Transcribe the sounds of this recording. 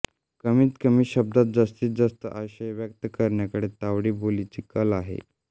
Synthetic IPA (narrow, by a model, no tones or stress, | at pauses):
kəmiːt̪kəmiːɕəb̚d̪at̪̚d͡zast̪iːt̪̚d͡zast̪əʔaɕəjʋjək̚t̪əkəɾɳjakəɽet̪aʋɽiːbolit͡siːkəlaɦḛ